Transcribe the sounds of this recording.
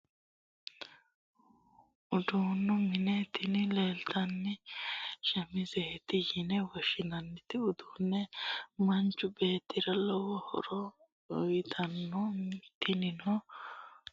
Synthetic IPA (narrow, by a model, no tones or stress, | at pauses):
ʊd̪uːnːɔmɪnɛt̪ɪnɪleːlt̪ɐnːɪ | ʃɐmɪzɛt̪ɪjɪnɛwɔʃɪnɐnːɪt̪ɪʊd̪uːnːɛmɐnt͡ʃːʊbeːt̪ːɪɾɐlɔwɔhɔ̰ɾɔ | ɔjɪt̪ʰɐnːɔt̪ːɪnɪnɔ